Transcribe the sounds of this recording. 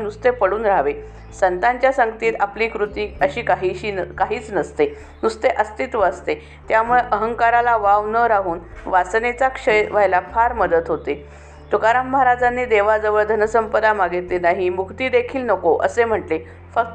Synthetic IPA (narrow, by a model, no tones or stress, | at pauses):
nust̪epəɽuːnɾaɦʋe | sənt̪aɲt͡ɕjasəŋɡt̪iːt̪apliːkɾut̪iːəɕiːkaɦiːɕiːkaɦiːt͡snəst̪e | nust̪eʔəst̪it̪ʋəəst̪e | t̪jamuɭeʔəɦəŋkaɾalaʋaʋnəɾaɦuːnʋasnet͡sakʂəjʋaɦjlapʰaɾməd̪ət̪ɦot̪e | t̪ukaɾamːəɦaɾad͡zanːed̪eʋad͡zəʋəɭd̪ʱənəsəmpəd̪amaɡet̪lenaɦimukʰt̪iːd̪ekʰiːlnəkoʔə̰sem̤əʈle | fək̚t̪